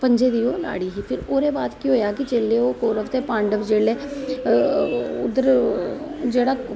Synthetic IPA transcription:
pə̃ɲd͡ʒeːd̪iːoːla̰ːɽiɦipʰɪɾoːɾebaːt̪kiɦoːjakit͡ʃeːleokoːɾəʋt̪epãːɳɖəʋd͡ʒeːleː | ʊd̪əɾ | d͡ʒeːɽaː

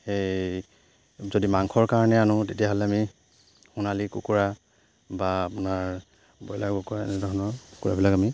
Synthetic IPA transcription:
ej | zodimaŋkʰɔɹkaɹɔnɛanʊtetijaɦɔlɛami | xunalikukuɹa | baːpʊnaɹ | bɔjlakbɔkɔaɛ̰nɛdʱɔɹɔnɔɹku̥kuɹabilakami

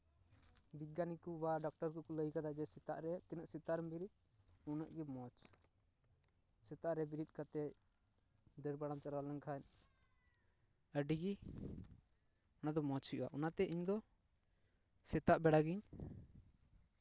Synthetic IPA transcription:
biɡanikubaɖɔk̚ʈɔɾkɔkɔləjkad̪ad͡ʒɛsɛt̪a̰ʔɾɛt̪ɛnəʔsɛt̪aɾmbiɾit̪̚ | unaʔɡɛmɔt͡ʃ | sɛt̪aʔɾɛbiɾit̪̚ˀkat̪ɛc̚ | d̪əɾbaɽamt͡ʃaɾwalɛŋkʰaɲ | əɖiɡi | ɔnad̪ɔmɔt͡ʃhiʔuwa̰ʔɔnat̪ɛʔiɲd̪ɔ | sɛt̪aʔbɛɽaɡiɲ

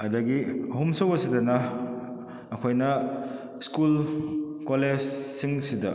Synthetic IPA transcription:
ɐdɐɡiɐɦumsɐwɐsidɐnɐ | kʰojnɐ | skulkoled͡ʒsiŋsidɐ

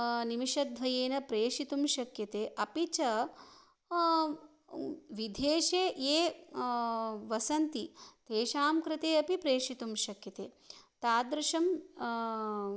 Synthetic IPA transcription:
nimiʃɐd̪ʱʋɐjeːnɐpɾeːʂit̪umʃɐkjɐt̪eːʔɐpit͡ʃɐ | ʋid̪ʱeːʃeːjeː | ʋɐsɐnt̪it̪eːʃaːmkɾɪt̪eːɐpipɾeːʂit̪umʃɐkjɐt̪eː | t̪aːd̪ɾuʃɐm

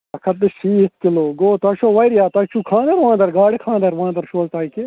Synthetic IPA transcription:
ɐkʰɐt̪̚ːɨʃiːt̪̚kiloːɡoːt̪ɐʃoːʋɐjɾjaːt̪ɐt͡ʃʰukʰãːnd̪ɐɾʋãːnd̪ɐɾɡaːɽikʰãːnd̪ɐɾʋãːnd̪ɐɾʃoːzt̪aːike

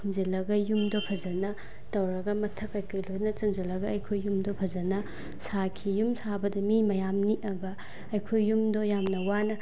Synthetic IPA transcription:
kʰumzelɐɡɐjumdopʰɐzɐnɐ | tɐwɾɐɡɐmɐtʰɐkɐjkʰojlojnɐt͡ʃɐnzɐlɐɡɐɐjkʰojːumdopʰɐzɐnɐ | sakʰijumsabɐdɐmimɐjamniʔɐɡɐ | ɐjkʰojːumdojamnɐwanɐ

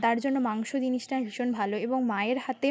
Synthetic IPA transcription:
t̪aɾd͡ʑonːomaŋʃod͡ʑiniʃʈaɦiʃonbʱaloeboŋmaeɾɦat̪e

